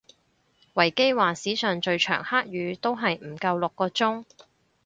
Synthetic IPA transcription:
wɐ˨˩jke˥jwaː˨siː˨˥sœː˨ŋt͡ʃɵ˧ɥt͡ʃʰœ̰ː˨˩ŋhaː˥k̚jyː˨˧t̪o˥wɦɐ˨jm̩˨˩kɐ˧wlʊ˨kːɔː˧t͡sʊ˥ŋ

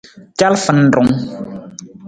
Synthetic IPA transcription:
t͡ʃa˦lfə˨n˨dʊ˨ŋ

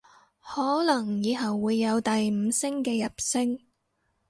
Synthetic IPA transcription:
hɔː˨˥lɐ˨˩ŋjiː˨˧ɦɐ˨˩wːuː˨˧jːɐ˨˧wt̪ɐ˨jm̩˨˧sɪ˥ŋkɛː˧jɐ˨p̚sɪ˥ŋ

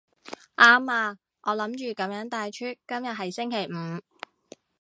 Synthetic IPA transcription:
ʔaː˥maː˧ | ʔɔː˨˧lɐ˨˧˥mt͡ʃyː˨kɐ˨˥mjœː˨˥ŋt̪aː˨˧jt͡ʃʰyː˥t̚kɐ˥mjɐ˨t̚ɦɐ˨jsɪ˥ŋkʰe˨˩jm̩ː˨˧˦

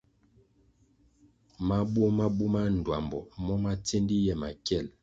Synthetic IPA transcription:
ma˦bwɔ˦ma˦bu˦ma˦n̩˨dwa˨mbɔ̰˨mɔ˦ma˦te˦ndi˦jɛ˦ma˨kjɛ˦˨l

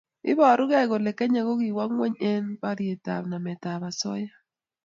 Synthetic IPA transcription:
ɪ̰˦bɔ˨ɾʊ˦ɡɛ˦˨ɡo˨lɛ˨kɛ˦ɲa˨ɡo˦ɡi˨wa˦ŋwe˦ɲɛ˦npa˦ɾje˨ta̰˨bna˨mɛ˨ta˨βa˨sɔ̰˦ja˦

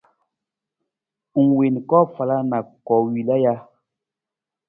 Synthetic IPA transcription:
ŋ̩˨we˨nkɔ˦fa˨la˦na˨kɔ˨wi˨la˦ja˦

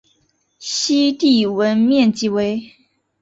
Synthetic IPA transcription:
ɕi˥t̪i˥˩wə˧˥nmjɛ˥˨nt͡ɕi˧˥we˧˥ɪ

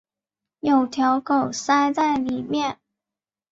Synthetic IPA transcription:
jo˨˩ʊt̪ʰjɑ˧˥ʊkʰo˨˩ʊsa˥ɪt͡sa˥˩ɪli˨˩mjɛ˥˩n

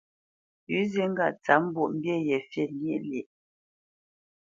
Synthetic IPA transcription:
jʉ˨˦zi˦ŋ̩˦ɡa̰˨t͡sa˨˦m̩˦bu˦˨ʔm̩˦bjɛ˦˨jɛ˨fjɛ˦˨ni˦ʔle˨ʔ

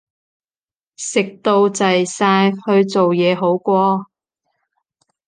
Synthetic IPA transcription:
sɪ˨k̚t̪o˧wt͡sɐ˨jsaː˧jhɵ˧ɥt͡so˨wjɛː˨˧ɦo˨˥wkʷɔː˧

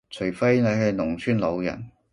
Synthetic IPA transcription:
t͡ʃʰɵ˨˩ɥfe˥jne˨˧ɦɐ˧jnʊ˨˩ŋt͡sʰyː˥nlo˨˧wjɐ̰˨˩n

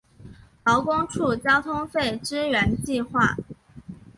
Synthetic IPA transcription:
ɑ˧˥ʊkʊ˥ŋʈ͡ʂʰu˥˩t͡ɕjɑ˥ʊt̪ʰʊ˥ŋfe˥˩ɪʈ͡ʂɻ̩˥ɥɛ˧˥nt͡ɕi˥˧xwa̰˥˩

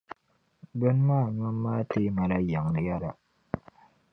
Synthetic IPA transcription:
bʊ˦n˦maː˦˨ɲa˦mːaː˦tɪ˦ma˨la˦ja˨ŋ˨n˨ja˦ɾa˨

